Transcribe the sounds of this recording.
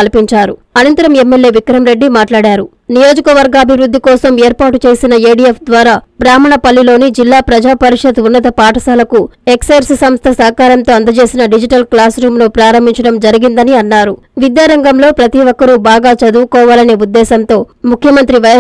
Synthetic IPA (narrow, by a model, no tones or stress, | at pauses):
ɐlpiɲt͡ʃaːɾu | ɐnɐnt̪ɐɾɐme̞mːe̞lje̞ːʋikɾɐmɾe̞ɖːimaːʈlaːɽaːɾu | nijo̞ːd͡ʒikɐʋɐɾɡɐɐbʱiʋɾud̪ʱːikɔːsɐmeːɾpaːʈut͡ʃe̞ːsinɐeːɖiefd̪ʋaːɾaːbɾaːmɐɳɐpɐlːilo̞ːnid͡ʒilːaːpɾɐd͡ʒaːpɐɾiʂɐd̪unːɐt̪ɐpaːʈʰɐsaːlɐkuekseɾssɐmst̪ʰɐsɐɦɐkaːɾɐnt̪o̞ːɐnd̪ɐt͡ʃe̞ːsinɐɖid͡ʒiʈɐlklaːsɾuːmloːpɾaːɾɐmbʱiɲt͡ʃɐɽɐmd͡ʒɐɾiɡind̪ɐniɐnːaːɾu | ʋid̪jaːɾɐŋɡɐmlo̞ːpɾɐt̪iʋɔkːɐɾubaːɡaːt͡ʃɐd̪uːkɔːʋaːlɐneːud̪ːɛːsɐnt̪o̞ːmukʰjɐmɐnt̪ɾiʋɐ